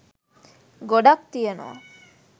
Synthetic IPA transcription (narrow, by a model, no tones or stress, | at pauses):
ɡoɖak̚t̪ijeno̰ʋa̰